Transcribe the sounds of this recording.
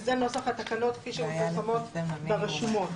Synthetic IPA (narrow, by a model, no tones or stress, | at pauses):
zenosaχat̪akano̞t̪kfiʃeuilamo̞t̪beʁeʃumo̞t